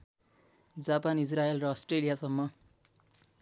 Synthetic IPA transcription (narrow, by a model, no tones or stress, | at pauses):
d͡zapanis̬raelrʌːsʈrelijasʌmːʌ